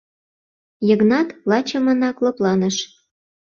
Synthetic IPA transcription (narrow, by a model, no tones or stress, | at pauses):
jəɣnɑt̪lɑt͡ɕə̆mə̆nɑkloplɑnəʃ